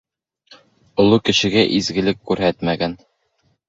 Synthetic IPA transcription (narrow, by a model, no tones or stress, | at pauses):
ŏlˠukɘ̆ɕɘ̆ɡæʔizɡɘ̆lɘkːʉɾɦæt̪mæɡæn